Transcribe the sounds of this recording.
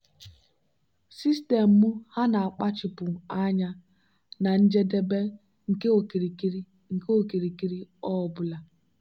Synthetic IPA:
si˦ste˨m̩˨mu˦ha˦na˨a˨k͡pa˦t͡ʃɪ˨pʊ˨a˦ɲa˦ | na˨n̩˦d͡ʒe˦de˦be˦ | ŋ̩˨ke˦o˨kɾi˨˦ | ŋ̩˨ke˦o˦˨ki˨ɾi˨ki˦ɾi˦ɔ˦ɔ˨bʊ˦la˦

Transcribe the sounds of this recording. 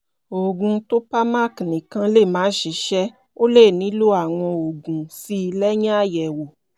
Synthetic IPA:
o˨ɡũ˨˧to˦pa˦ma˦˨knĩ˨kã˧˦le˦˨mãː˨˦ʃi˨˦ʃɛ˦ | o˦le˦˨nĩ˨˦lu˦a˦˨w̃ɔ̃˧o˨ɡũ˨si˦˧lɛ˦ɲã˦a˦˨jɛ˨wo˨

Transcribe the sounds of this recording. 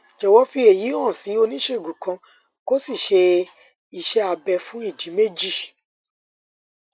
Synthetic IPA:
d͡ʒɛ˨wɔ˦fi˦e˨ji˨˦ɔ̃˦˨si˨˦o˧nĩ˦ʃe˦˨ɡũ˨kã˧ | ko˦si˦˨ʃe˧ | i˨ʃɛ˧˦a˧bɛ˧fũ˨˦i˦˨d͡ʒi˨˦me˦d͡ʒi˦˨

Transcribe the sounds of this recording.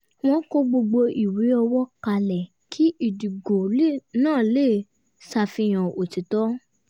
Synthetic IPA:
w̃ɔ̃˧ko˧ɡ͡bo˧ɡ͡bo˧ʔi˨wi˨˦ɔ˧wɔ˦ka˧lɛ˨ | kʰi˨˦ʔi˦˨du˨ɡo˨le˦˨nãː˦˨le˦˨ | sa˧fĩ˧j̃ã˨o˨ti˨˦tɔ˨˦

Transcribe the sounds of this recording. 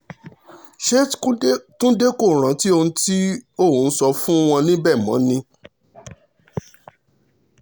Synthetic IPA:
ʃe˦tũ˦de˦ko˦˨ɾ̃ã˨˦ti˦o˧nũ˧ti˦o˦˨ũ˨˦n̩˦sɔ˧fũ˦w̃ɔ̃˧nĩ˦bɛ˦˨mã̰˨˦nĩ˧

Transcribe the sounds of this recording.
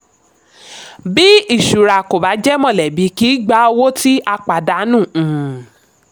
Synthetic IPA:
bi˦i˦˨ʃu˨ɾa˨ko˨ba˨˦d͡ʒɛ˦mɔ̃˦˨lɛ˨bi˨˦ki˨˦ɡ͡ba˦o˧wo˦ti˦ʔa˧k͡pa˨da˨˦nũ˦˨

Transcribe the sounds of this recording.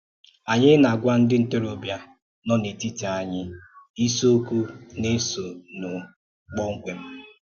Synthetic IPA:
a˨ɲɪ˦na˨ɡʷa˦n̩˦dɪ˦n̩˦te˦ɾo˨bja˦ | nɔ˦ne˨ti˦ta˨a˨ɲɪ˦i˦so˦ku˦ne˦so˨nʊ˨ | k͡pɔ˦ŋ̩˦kʷe˨m̩˦

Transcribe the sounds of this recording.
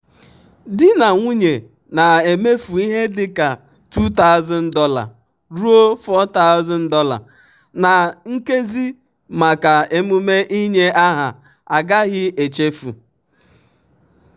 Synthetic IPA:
dɪ˦na˨ŋʷu˦ɲe˨ | na˨e˨me˦fu˨i˦ɦe˦dɪ˦ka˨ | tu˦ta˦ʊ˨˦zɔ˨n̩˦dɔ˦la̰˨ | ɾu˦o˦fɔ˦ta˦ʊ˦zɔ˨n̩˦dɔ˦la̰˨ | na˨ŋ̩˦ke˦zi˦ | ma˨ka˨e˦mu˦me˦ʔi˦ɲe˦a˦ɦa˨ | a˨ɡa˦ɣɪ˦e˨t͡ʃe˦fṵ˨

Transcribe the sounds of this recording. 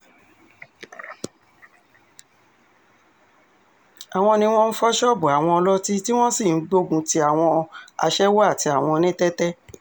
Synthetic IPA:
a˨w̃ɔ̃˧nĩ˧w̃ɔ̃˦n̩˦fɔ˦ʃɔ˦bu˨a˨w̃ɔ̃˧ɔ˧lɔ˦ti˦ti˦w̃ɔ̃˦si˦˨n̩˦ɡ͡bo˦ɡũ˧ti˧a˦˨w̃ɔ̃˧a̰˧ʃɛ˦wɔ˦a˦˨ti˧a˨w̃ɔ̃˧nĩ˦tɛ˦tɛ˦

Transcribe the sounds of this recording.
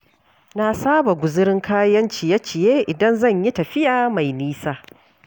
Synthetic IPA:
na˦saː˦ba˨ɡʷʊ˨zɪ˦ɾɪ˦ŋkʰaː˦jɐ˦nt͡ʃɪ˨ja˦t͡ʃɪ˨jeː˦ʔɪ˨dɐ˦nzɐ˦˨ɲji˦tɐ˨ɸɪ˦jaː˨ma˨jniː˦saː˦

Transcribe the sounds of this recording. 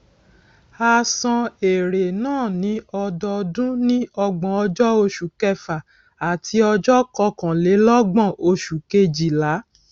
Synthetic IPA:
a˧sɔ̃˧e˨ɾe˨nãː˦˨nĩ˨˦ɔ˧dɔ˧dũ˦nĩ˦ɔ˧ɡ͡bɔ̃˧ɔ˧d͡ʒɔ˦o˧ʃu˨kɛ˧fa˨ | a˨tʰi˧˦ɔ˧d͡ʒɔ˦kɔ˧kã˨le˨˦lɔ˦ɡ͡bã˦˨o˧ʃu˨ke˧d͡ʒi˨la˨˦

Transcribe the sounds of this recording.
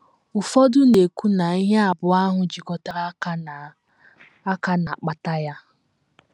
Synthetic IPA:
ʊ˨fɔ˦dʊ˦ne˨kʷu˦na˨i˦ɦe˦a˨bʊ˨a˦ɦʊ˨d͡ʒi˨kɔ˦ta˦ɾa˦a˦˨ | a˦ka˦na˨k͡pa˦ta˦ja˦

